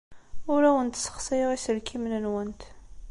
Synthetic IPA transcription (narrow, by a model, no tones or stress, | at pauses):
ʊɾæwənt̪sə̥χsˤiʁisəɾkʰimnənwənt̪